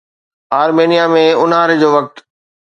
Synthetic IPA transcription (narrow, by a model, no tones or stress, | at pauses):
aːɾmeːnijamẽʊnɦaːɾɪ̆d͡ʑoːʋɐk̚t̪